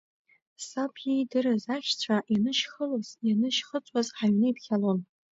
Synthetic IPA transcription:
sapʰʲidɨɾazaʃʲt͡ɕʷʰaʔjanɨʃχəlozjanɨʃχət͡sʷʼazħaɥnɨipʰχʲalon

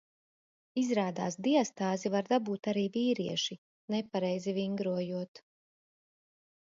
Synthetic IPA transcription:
izɾaːd̪aːsd̪iɔst̪aːzivaɾd̪abuːt̪aɾiːviːɾiɛʃi | nɛpaɾɛjziviŋɡɾuɔjuɔt̪

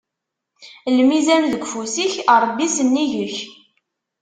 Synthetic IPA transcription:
lmizænðəɡʷfusiçəɾˤbːisənːiʝəç

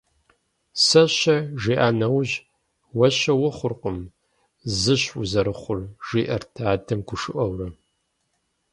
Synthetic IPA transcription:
sɐɕɐʒiːʔaːnɐwʑ | wɐɕɐwʊχʷʊrqʊm | zɨɕʊzɐɾɨχʷʊrʒiːʔɐrtʰaːdʰɐmɡʷʊʂɨʔɐwrɐ

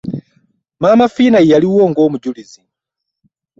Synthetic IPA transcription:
mamafinaijaliuɔŋɡɔmud͡ʒulizin

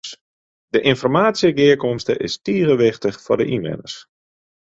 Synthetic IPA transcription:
dəʔɪnfɔrmaːtsiəɡɪəkɔmstəʔɪstiəɣəʋɪxtəxfɔdəʔinʋɪ̰nə̰rs

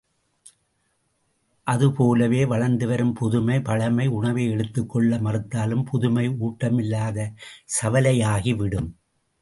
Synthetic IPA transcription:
ʔɐðɯpoːlɐʋeːʋɐɻɐɾnd̪ɯʋɐɾɯmpʊðʊmɐɪpɐɻɐmɐɪʊɳɐʋeɛɻɯt̪ːɯkːɔɭːɐmɐrɯt̪ːaːlɯmpʰʊðʊmɐɪuːʈːɐmɪlːaːðɐsɐʋɐlɐjaːɣiʋɪɽɯm

